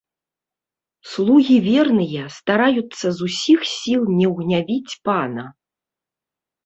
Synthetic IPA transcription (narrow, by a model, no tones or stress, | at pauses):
slˠuɣʲivʲɛrnɨjɛst̪aɾajut̪sːɐzusʲixsʲilˠnʲɛwɣnʲavʲit͡sʲpanɐ